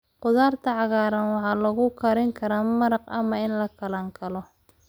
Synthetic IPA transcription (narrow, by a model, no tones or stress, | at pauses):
qʊðaːrt̪ʰɐʕɑɣaːɾɐnwɑħɑːlɐɣʊkʰɐɾɪŋkʰɐɾaːmɐɾɑqɐ̰mɐɪnlɐkʰɐlɐŋkʰɐlɔ